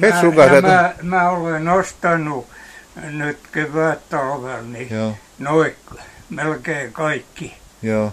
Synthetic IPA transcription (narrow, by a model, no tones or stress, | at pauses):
heæssukɑsemæmæːolenost̪ɑnu | nyt̪keʋæˑtt̪ɑlʋelnio | noikmelkeːkɑikːi | joː